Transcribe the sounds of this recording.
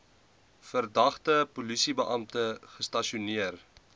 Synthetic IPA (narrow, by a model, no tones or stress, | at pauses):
fərdɐχtəpulisibəʔɐmtəχəstɐʃiuniər